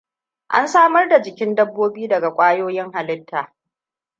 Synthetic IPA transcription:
ʔa̰˦nsaː˦mɐ˦rda˨d͡ʒɪ˨kʲɪ˦ndɐ˦bːoː˦biː˦dɐ˨ɡa˨kʷʼaː˦joː˦jɪ˦ŋɦa˨lɪ˦tʰːaː˨

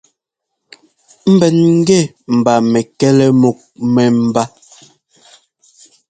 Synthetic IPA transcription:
m̩˦bɛ˨nŋ̩˦ɡɛ˦˨ | m̩˨ba˨mɛ˨kɛ˦lɛ˦mo˨k̚mɛ˨m̩˨ba˦

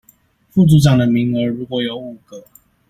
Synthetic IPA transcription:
fu˥˨t͡su˧˥ʈ͡ʂɑ˨˩ŋd̪ə˨˩mi˨˥ŋə˧˥ɻu˧˦˥kwɔ˨˥˦jo˨˦ʊu˨˩kə˨˦

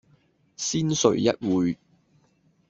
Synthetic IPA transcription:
siː˥nsɵ̰˨˩ɥjɐ˥t̚wuː˨˧j

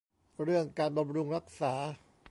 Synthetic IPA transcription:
ɾɯ˥˩əŋkaː˧nba˧mɾu˧ŋɾa˦˥k̚saː˩˦

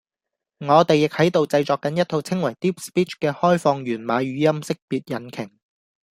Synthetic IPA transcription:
ŋɔː˨˧t̪e˨jɪ˨k̚hɐ˨˥jt̪o˨wt͡sɐ˧jt͡ʃɔː˨kːɐ˨˥njɐ˥t̪̚ʰo˧wt͡sʰɪ˥ŋwɐ˨˩jt̪iː˥p̚spiː˥t͡ʃkɛː˧hɔː˥jfɔː˧ŋɥyː˨˩nmaː˨˧ɥyː˨˧jɐ˥msɪ˥k̚piː˨t̚jɐ˨˥nkʰɪ˨˩ŋ

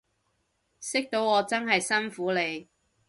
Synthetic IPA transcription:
sɪ˥k̚t̪o˨˥wɔː˨˧t͡sɐ˥nɦɐ˨jsɐ˥nfuː˨˥le˨˧j

